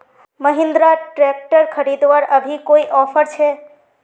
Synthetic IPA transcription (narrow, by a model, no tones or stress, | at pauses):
məɦɪ̃nd̪ɾaʈɾɛk̚ʈəɾkʰəɾid̪ʋaɾəbʱikoiʔɔfəɾt͡ʃʰe